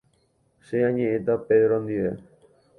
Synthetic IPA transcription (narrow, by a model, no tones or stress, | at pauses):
ʃejaɲeet̪aped̪ɾɔnd̪ie